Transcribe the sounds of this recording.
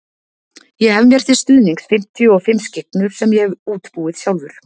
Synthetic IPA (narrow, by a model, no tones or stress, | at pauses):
jɛɣhɛvmjɛr̥t̪θɪ̥st̪ʏːðniŋksfɪm̥t̪ʰijʏɔfɪmːscɪknʏɾ̥sɛmjɛɣuːt̪puːɪðsjawlvʏɾ̥